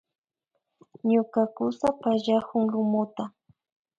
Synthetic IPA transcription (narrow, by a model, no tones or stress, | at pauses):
ɲʊkakʊsapaʒahʊŋɾʊmʊt̪a